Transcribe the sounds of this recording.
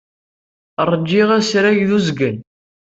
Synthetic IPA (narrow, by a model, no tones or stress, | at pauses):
rˤːəd͡ʒːiʁæsɾæʝðuzɡən